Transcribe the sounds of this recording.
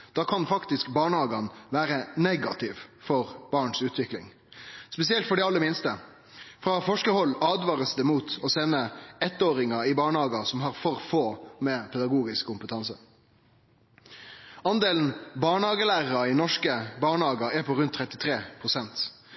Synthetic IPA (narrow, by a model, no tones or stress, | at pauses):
d̪̥ɑːkʰɑnfɑkt̪ɪskbɑːɳəhɑːɡɑnʋæːɾənɛɡɑt̪ʰɪʋfɔɾb̥ɑːɳsʉːt̪ʋɪklɪ̰ŋ | spɛsɪɛlt̪fɔɖɛɑlːəmɪnst̪ə | fɾɑfɔʂkəhɔlːɑːd̪ʋɑːʁəsd̪əmuːt̪ɔsɛnːəɛt̪ːoːɾɪŋɑɪbɑːɳhɑːɡɑsɔmɦɑɾfɔɾfoːmɛpʰɛd̪ɑɡuːɡɪskkʰʊmpət̪ʰɑnsə | ɑnd̪eːln̩bɑːɳhɑːɡəlæːʁəɾɑɪnɔʂkəbɑːɳhɑːɡɑɛpʰɔɾʉnt̪ʰːɾɛt̪ːɪt̪ʰɾeːpʰʁʊsɛnt̪